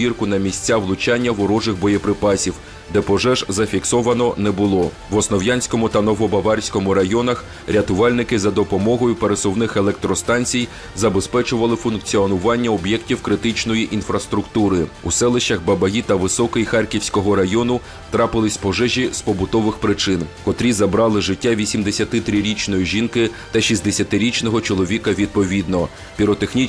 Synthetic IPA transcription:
irkʊnɐmʲisʲt͡sʲaʋlˠʊt͡ʃɑnʲːɐʋɔɾɔʒɪxbɔjɛpɾɪpɑsʲiw | d̪ɛpɔʒɛʒzɐfʲiksɔʋɐnɔnɛbʊlˠɔ | ʋɔsnɔwjanʲsʲkɔmʊt̪ɐnɔʋɔbɐʋɑrʲsʲkɔmʊɾɐjɔnɐx | ɾʲɐt̪ʊʋɑlʲnɪkɪzɐd̪ɔpɔmɔɦɔjʊpeɾesɔwnɪxelˠɛk̚t̪ɾɔst̪ɑnʲt͡sʲij | zɐbespɛt͡ʃʊʋɐlˠɪfʊnkt͡sʲiɔnʊʋɑnʲːɐɔbjɛktʲiwkɾɪt̪ɪt͡ʃnɔjiʔinfɾɐst̪ɾʊkt̪uɾɪusɛlˠɪʃt͡ʃɐxbɐbɐɦʲit̪ɐʋɪsɔkɪjxɑrkʲiwsʲkɔɦɔɾɐjɔnʊ | t̪ɾɑpɪlˠɪsʲpɔʒɛʒʲizpɔbʊt̪ɔʋɪxpɾɪt͡ʃɪnkɔt̪ɾʲizɐbɾɑlˠɪʒɪtʲːaʋʲisʲimd̪esʲɐt̪ɪt̪ɾɪɾʲit͡ʃnɔjiʒʲinkɪt̪ɐʃizd̪esʲɐt̪ɪɾʲit͡ʃnɔɦɔt͡ʃɔlˠɔʋʲikɐʋʲid̪̚pɔʋʲid̪nɔ | pʲiɾɔt̪exnʲi

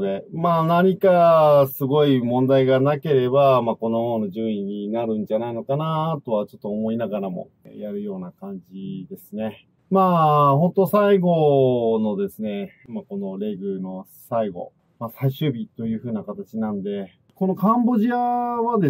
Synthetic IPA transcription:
d̪e̞maːnaɲ̟ikasɨɡo̞imõ̞nd̪aiɡanake̞ɾe̞bamako̞no̞jo̞ːnoʑɨːɰiɲ̟inaɾɯ̟̃ɲ̟d͡ʑanaino̞kanat̪o̞βat͡ɕo̞t̪ːoːmo̞inaɡaɾamo̞̰ | jaɾɯ̟jo̞ːnakãɲd͡ʑid̪e̞sɨne̞ | maːhõ̞nt̪o̞saiɡo̞nod̪e̞sɨne̞mako̞no̞ɾe̞ɡɯ̟no̞ | saiɡo̞̰ | masaiɕɨːbʲit̪o̞jɯ̟ːɸɯ̟ːnakat̪at͡ɕinãnod̪e̞ | ko̞no̞kãmbo̞ʑiaβad̪e

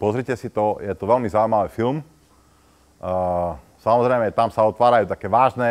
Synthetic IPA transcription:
pɔzɾicɛsit̪ɔjɛt̪ɔʋɛlmizauimaʋiːfilm | samɔzɾɛɪmɛt̪amsaɔt̪ʋaːɾajuːt̪akɛːʋaːʒnɛ

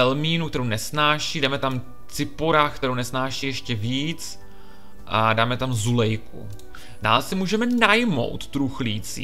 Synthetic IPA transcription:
ɛlmiːnuk̚t̪ɛɾownɛsnaːʃiːdaːmɛt̪am | t͡sɪpoɾaːxkt̪ɛɾownɛsnaːʃiːjɛʃcɛviːt͡s | ʔadaːmɛt̪amzulɛjkṵ | da̰ːlɛsɪmuːʒɛmɛnajmo̞̰wt̪ːɾuxliːt͡sḭː

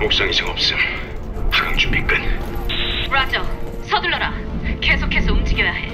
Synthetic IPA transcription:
mok̚s͈ʌŋisʰeŋʌp̚s͈ʌ | pʰaɡaŋt͡ɕumbik͈ɯn | ɾad͡ʑʌ | sʰʌduɭːʌɾakesʰokʰe̞sʰʌumd͡ʑiɡedae

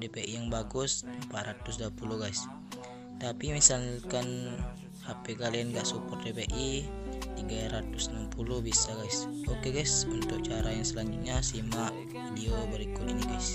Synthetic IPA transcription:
depeʔijaŋbaɡʊsmpat̪̚rat̪ʊsduapuluɡais | t̪apimisalkan | apɛkalianɡaʔsupɔrdepeʔit̪iɡaɾat̪ʊsənampuluhbisaɡaisokeɡaisunt̪ʊk̚t͡ʃaɾajaŋsəlaɲd͡ʒut̪̚ɲasimaʔ | idiobəɾikʊt̪iniɡais

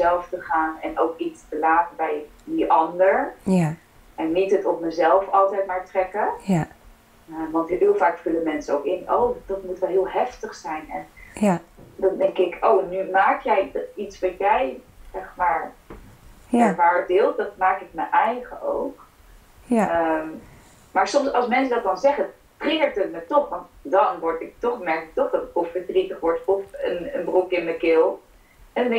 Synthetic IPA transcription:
zɛlˠftəχaːnɛnowkitstəlaːtəbɛj | diʔɑndəɹ | ʔɛnːitətɔp̚məzɛlˠfɑlˠtɛjtmaːɹtrɛkə | əʋɑntɦɪːlˠfaːkfʉləmɛnsəowkɪnowd̥ɑtmutʋɛlˠɦɪːlˠɦɛftəχsɛjnɛn | dɑndɛŋkɪkʰownymaːkjɛjditsʋɑjɛjzɛχmaːɹ | ɛχmaːɹbɪlˠt̚dɑt̚maːkɪk̚məʔɛjχəʔo̰wk | əm | maːɹsɔmsɑlˠsmɛnsədɑt̚dɑnzɛχə | trɪəɹtətmətɔχʋɑntdɑnʋɔɹtɪk̚tɔχmɛɹkɪk̚tɔχdɑtɪkɔfəɹdritəχʋɔɹtɔfənənbrukɪnməkɪlˠ | ɛndndɛ

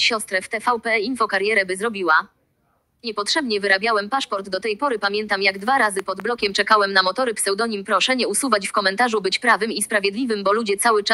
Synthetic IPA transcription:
ɕɔst̪ɾɛft̪ɛfawpɛinfɔkaɾjɛɾɛbɘzɾɔbʲiwa | ɲɛpɔtʂɛbɲɛvɘɾabʲjawɛmpaʂpɔɾd̪ːɔt̪ɛjpɔɾɘpamʲjɛnt̪amjaɡd̪vaɾazɘpɔd̪blɔkʲɛmt͡ʂɛkawɛmnamɔt̪ɔɾɘpsɛwd̪ɔɲimpɾɔʂɛɲɛusuvat͡ɕfkɔmɛnt̪aʐubɘt͡ɕpɾavɘmispɾavʲjɛd̪lʲivɘmbɔlud͡ʑɛt̪sawɘt͡ʂa

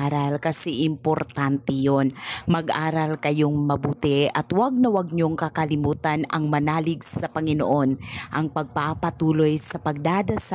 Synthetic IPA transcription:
ɾɐlkɐsɛʔɪmpoɾt̪ant̪ɛjonmɐɡʔaːɾɐlkɐjoŋmɐbuːt̪ɪʔɐt̪waɡ̚nɐwɐɡ̚ɲoŋkɐkɐlɪmuːt̪anɐŋmɐnaːlɪɡsɐpɐŋɪno̰ʔo̞nʔɐŋpɐɡ̚papɐt̪uːlo̞jsɐpɐɡ̚d̪aːd̪ɐs

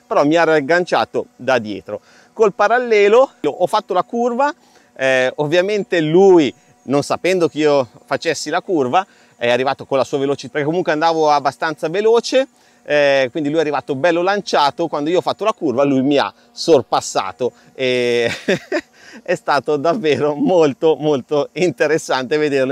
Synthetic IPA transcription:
peɾɔmiaraɡːant͡ʃa̰ːt̪od̪ad̪jɛ̰ːt̪ɾo | kolpaɾalːɛːloloʔɔfːat̪ːolakurva | ɛovːjament̪eluːj | nonsapɛnd̪okeiːofat͡ʃesːilakurva | ɛarːivaːt̪okolasuːavelot͡ʃipeɾkekːomuŋkweand̪aːvoabːast̪ant̪saveloːt͡ʃe | kwind̪ilujɛarːivaːt̪obɛlːolant͡ʃaːt̪okwand̪oiːoɔfat̪ːolakurvalujmia̰ | sorpasːa̰ːt̪o | e | ɛst̪aːt̪od̪avːeːɾomolt̪omolt̪oint̪eɾesːant̪eved̪erlo

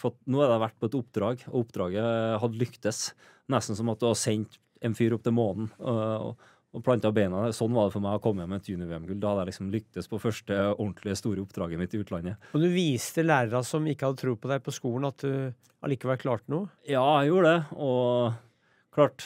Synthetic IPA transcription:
fɾɑt̪nuːɛɾd̪ɛʋæʈːpʰɔɛt̪ʊpːd̪ɾɑːɡɔʊpːd̪ɾɑːɡəɦɑd̪ːəlʏkt̪əs | nɛst̪n̩sɔmɑt̪̚d̪ʉhɑsɛɲt̪ | ɛnfyːɾʊp̚ːt̪ʰəɛmoːnn̩ɔ̰ | ɔpʰlɑnt̪ɑɔbeɪnɑɛsɔnːʋɑɖ̪ɛfɔɾmæɪɔkʰɔmːɛnmɛnt̪ʰjʉːnɪʋeːɛmɡʉld̪hɑd̪ːælɪksɔmlʏk̚t̪əspʰɔfœʂʈəɔɳt̪ʰlɪəst̪uːɾəʊpd̪ɾɑːɡəmɪt̪ːɪʉːt̪lɑnːəmɔnd̪ʉʋiːst̪əlæːɾəɾɑsɔmɪkːəhɑd̪ət̪ʰɾuːpɔd̪æɪpʰɔskuːlən̩ɑt̪̚d̪ʉ | ɑ̰liːkɑʋɛlkʰlɑːʈnuːjɑːjuːɖ̪ɛɔ | kʰlɑːʈ

